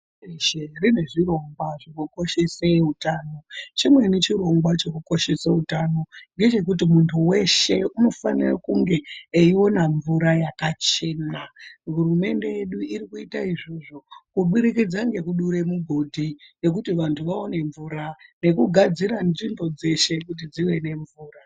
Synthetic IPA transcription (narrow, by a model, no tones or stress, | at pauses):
erine̞ʐiro̞ŋɡwaʐikuko̞ʃe̞seutaːno̞t͡ʃimwe̞net͡ʃiɾo̞ŋɡwat͡ʃe̞kuko̞ʃe̞seutano̞ŋɡe̞t͡ʃe̞k̬ut̬imuntʰuwe̞ʃe̞uno̞fanirakuŋɡe̞ːio̞naɱvuɾajakat͡ʃe̞naɦurume̞nde̞je̞ɗuiɾikuitaiʐoʐo̞kuɓuɾikid͡zaŋɡe̞kuɗuɾe̞muɡʱo̞dʱije̞k̬utiʋantʰuʋao̞ne̞ɱvuːɾane̞kuɡʱad͡ziɾanʐinbo̞d͡ze̞ʃe̞kut̬id͡ziwe̞ne̞ɱvuːra